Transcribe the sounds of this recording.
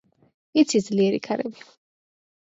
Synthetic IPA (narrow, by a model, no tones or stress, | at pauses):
it̪sʰid̪zliɛɾḭkʰaɾɛ̰bi